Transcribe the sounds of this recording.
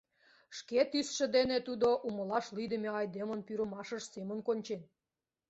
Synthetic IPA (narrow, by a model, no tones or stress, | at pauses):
ʃket̪ysʃə̆d̪enet̪ud̪oʔuməlɑʃlid̪əmeɑjd̪emənpyɾə̆mɑʃəʃsemə̆nkonʲt͡ɕen